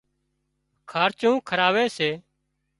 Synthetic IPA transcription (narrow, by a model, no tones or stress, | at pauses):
kʰaːɾt͡ʃũːkʰəɾaːʋeːseː